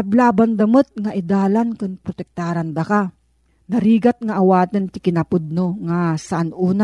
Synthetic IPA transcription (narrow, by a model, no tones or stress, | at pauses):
ɐblaːband̪ɐmət̪̚ŋaʔɪd̪aːlankʊŋpɾot̪ɛk̚t̪aːɾand̪ɐka | nɐɾiːɡat̪̚ŋɐʔːwaːt̪ənt̪ɪkɪnɐpʊd̪̚noŋasaʔanuːna